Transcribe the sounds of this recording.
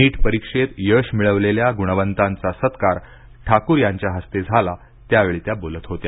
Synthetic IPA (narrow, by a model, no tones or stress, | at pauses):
iːʈpəɾikʂet̪jəɕmiɭəʋleljaɡuɽ̃əʋənt̪ãnt͡sasət̪kaɾ | ʈʰakuɾjaɲt͡ɕjaɦəst̪ed͡zʱala | t̪jaʋeɭiːt̪jabolət̪ɦot̪ja